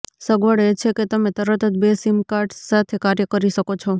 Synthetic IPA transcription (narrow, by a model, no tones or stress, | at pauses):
səɡʋəɽet͡ʃʰeket̪əmet̪əɾət̪ʰət̪̚besimkaɾʈsat̪ʰekaɾjəkəɾiʃəkot͡ʃʰo